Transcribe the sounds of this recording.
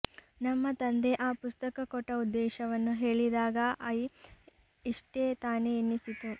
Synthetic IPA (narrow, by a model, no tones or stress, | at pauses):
nɐmːɐt̪ɐnd̪e̞ʔaːpust̪ɐkɐkɔʈːɐud̪ːɛːʃɐʋɐnːuɦe̞ːɭid̪aːɡɐʔɐi | iʂʈeːt̪aːneːnːisit̪u